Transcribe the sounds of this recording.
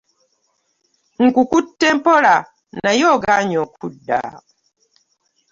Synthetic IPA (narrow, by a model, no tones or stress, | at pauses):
ŋ̩kukutːɛmpɔla | najɔɡaɲɔkʰudːa̰